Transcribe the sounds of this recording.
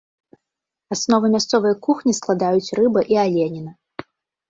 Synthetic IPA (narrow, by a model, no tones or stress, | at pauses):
asnɔvɨmʲast̪sɔvɨjɐkuxnʲisklˠad̪ajut͡sʲrɨbɐʔialʲenʲinɐ